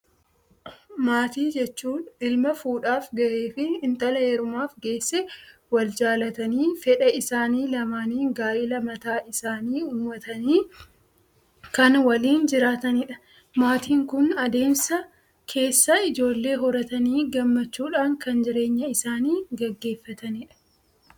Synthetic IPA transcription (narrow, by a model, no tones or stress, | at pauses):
maːt̪iːd͡ʒɛt͡ʃːuːnɪlmɐfuːᶑaːfɡɐʔe̞ːfɪɪnt̪ɐlɐɛɾʊmaːfɡe̞ːsːɛwɐld͡ʒaːlɐt̪ɐniːfɛᶑɐʔɪsaːniːlɐmaːniːɡaːʔɪlɐmɐt̪aːʔɪsaːniːuːmːɐt̪ɐniː | kɐnwɐliːnd͡ʒɪɾaːt̪ɐnɪᶑɐ̥ | maːt̪ʰiːŋkʊnɐd̪e̞ːmsɐ | kʰe̞ːsːɐɪd͡ʒo̞ːlːe̞ːɦɔɾɐt̪ɐniːɡɐmːɐt͡ʃːuːᶑaːŋkɐnd͡ʒɪɾe̞ːɲːɐɪsaːniːɡɛɡːe̞ːfːɐt̪ɐniᶑɐ̥